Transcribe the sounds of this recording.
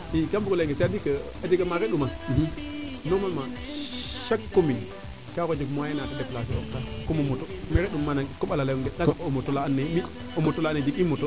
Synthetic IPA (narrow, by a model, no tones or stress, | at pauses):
ikambukoleŋɡesadikə | ad͡ʒiɡamaɾeɗuma | nomama | ʃakːomin | kaɣod͡ʒikmajenatadeplas̬ooktakomomotomeɾeɗumːanakoɓalalaŋɡedaakomotolaanːemi | omotolaned͡ʒikimoto